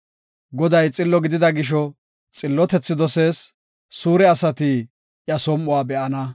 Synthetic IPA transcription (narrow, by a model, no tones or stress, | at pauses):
ɡɔd̪ɐjt͡sʼɪlːɔɡɪd̪ɪd̪ɐɡɪʃ̬ɔ | t͡sʼɪlːɔt̪ɛt͡sːɪd̪ɔse̞ːsː | uːɾɛɐsɐt̪i | ʔjɐsɔmːʊwaːbɛʔɐnɐ